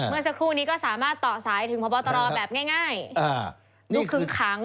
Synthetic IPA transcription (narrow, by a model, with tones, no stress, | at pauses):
mɯ˧əsa˧kʰɾuː˥˩niː˦˥kɔː˥˩saː˩˦maː˥˩t̪ːɔː˨˩saː˩˦jt̪ʰɯ˩˦pʰɔ˧bɔː˧t̪ɔ˧ɾɔː˧bɛː˨˩p̚ŋaː˥˩jŋaː˥˩ja˧˩ | nu˦˥˧kʰɯ˨˧˩kʰaː˩˦ŋ